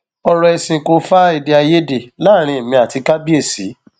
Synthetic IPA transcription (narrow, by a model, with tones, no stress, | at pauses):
ɔ˧ɾɔ˧ɛ˧sĩ˧˨ko˧fa˦i˧de˧a˧je˦de˨la˦˨ɾ̃ĩ˧˨mĩ˧˦a˨ti˧ka˦bi˦e˦˨sḭ˨˦